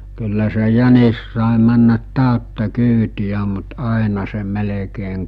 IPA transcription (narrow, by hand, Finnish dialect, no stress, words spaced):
kylːæ se jænis sɑˑe mænːæt tæˑøtːæ kyːtiæ mut ɑˑinɑ se melekeːŋ